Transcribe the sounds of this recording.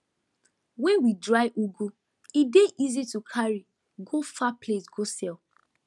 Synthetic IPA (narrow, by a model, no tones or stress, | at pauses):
wɛ̃nwidɹaɪʔuɡu | ideʔizitukʰaɹi | ɡofaplesɡosɛl